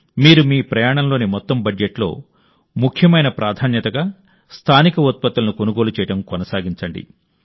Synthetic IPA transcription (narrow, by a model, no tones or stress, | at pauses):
miːɾumiːpɾɐjaːɳɐmlo̞ːnimɔt̪ːɐmbɐd͡ʒeʈlo̞̰ː | mukʰjɐmɐjnɐpɾʔaːd̪ʱaːnjɐt̪ɐɡa | st̪ʰaːnikɐot̪̚pɐt̪ːulɐnukonuɡo̞ːlut͡ʃɛːjɐɽɐmkɔnɐsaːɡiɲt͡ʃɐɳɖḭ